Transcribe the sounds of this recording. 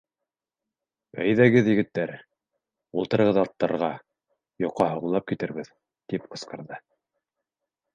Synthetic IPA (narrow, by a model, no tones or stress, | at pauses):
æ̰jðæɡɘðjɘ̆ɡɘ̆t̪ːæɾ | ulˠt̪ɤ̆ɾɤ̆ʁɤðɑt̪ːɑɾʁɑ | jŏqːɑɦŏʁɤ̆lˠɑp̚kit̪ɘ̆ɾβɘð | t̪ipqɤ̆sqɤ̆ɾðɤ